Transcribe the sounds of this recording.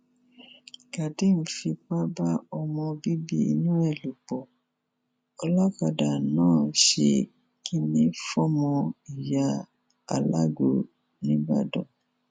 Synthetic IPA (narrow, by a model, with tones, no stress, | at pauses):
ka˨ti˦n̩˨fi˧k͡pa˦ba˦ɔ˧mɔ̃˧bi˦bi˦ḭ˦˧nũ˦ɛ˦˨lu˨k͡pɔ˨ | ɔ˧lɔ˦ka˨da˨nãː˦˨ʃḛ˧ | ki˦nĩ˦fɔ˦mɔ̃˧i˨ja˦ | a̰˨la̰˦ɡo̰˨ | nĩ˦ba̰˦dɔ̰̃˨